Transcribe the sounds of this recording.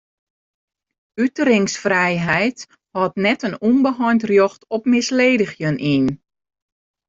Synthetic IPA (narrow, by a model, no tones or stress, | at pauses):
ytəɾɪŋsfrɛjɦɛjt | hɔtnɛtənunbəɦɔjntrjɔxtɔp̚mɪsleːdəxjənʔiːn